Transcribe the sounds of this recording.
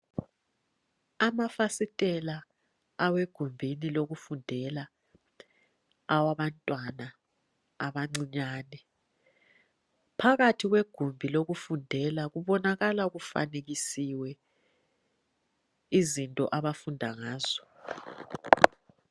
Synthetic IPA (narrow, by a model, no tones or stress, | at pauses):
amafasitʼɛlaː | weɡ̥ʱumbʱiniloɣufundʱɛla | waβantʼwana | aβaŋ͡ǀiɲaːnɛ | pʰaɣatʰiɣweɡ̥ʱumbʱiloɣufundʱɛlaɣuβɔnaɣalaɣufa̰neɣisiwɛ | izintʼɔ̰ʔaβafundʱaŋaːz̥ɔ̥